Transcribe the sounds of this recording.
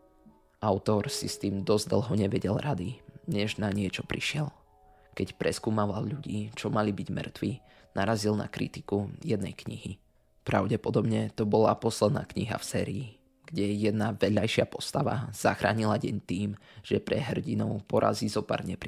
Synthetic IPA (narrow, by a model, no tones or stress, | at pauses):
ʔaʊt̪ɔɾsist̪iːmd̪ɔzd̪l̩ɦɔɲɛʋɛɟɛlɾad̪iɲɛʒnaɲɪɛt͡ʃɔpɾiʃɪɛl | kɛcpɾɛskuːmaʋalʎuɟiːt͡ʃɔmalibiɟmr̩t̪ʋi | naɾazilna̰kɾḭt̪i̥kujɛd̪nɛ̰jkɲḭɦi | pɾaʊɟɛpɔd̪ɔbɲɛt̪ɔbɔlapɔslɛd̪na̰ːkɲiɦa̰fsɛːɾiː | ɡ̥ɟɛjɛd̪naʋɛʎajʃɪapɔst̪aʋa̰z̥axɾa̰ːɲilaɟɛɲt̪iːm | ʒ̥ɛpɾɛ̰ɦr̩ɟinɔʊpɔɾʔa̰zizɔpa̰ɾɲɛpɾi